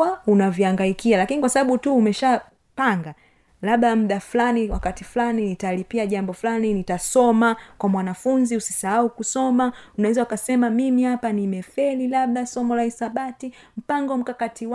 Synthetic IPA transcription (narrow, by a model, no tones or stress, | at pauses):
aunaviaŋɡaikialakinikwasaɓaɓutuːmɛʃa | paŋɡa | laɓɗamuɗaflaniwakatifulaninitalipiaʄambɔfulaninitasɔmakwamwanafunziusi̥sahaukusɔmaunawɛzaukasɛmamimihapanimɛfɛlilaɓ̚ɗasɔmɔlaisaɓati | m̩paŋɡɔm̩kakatiw